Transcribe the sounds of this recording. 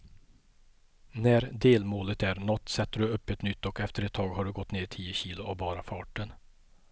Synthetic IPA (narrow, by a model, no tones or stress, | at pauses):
næɾd̪eːlmoːlət̪æɾnɔt̪ːsɛt̪ːəɖɵɵpːɛt̪nʏt̪ːɔkɛft̪əɾɛt̪ʰːɑːɡhaɖɵɡɔt̪ːneːtʰiːəɕiːlʊabɑːɾafɑːʈən